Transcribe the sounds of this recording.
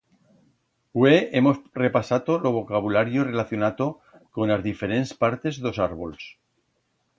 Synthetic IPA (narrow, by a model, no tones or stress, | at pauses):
weʔemo̞sre̞pasat̪olo̞β̞o̞kaβ̞ulaɾjore̞laθjo̞nat̪o | ko̞nlazðifeɾe̞nspaɾt̪e̞zðo̞saɾβols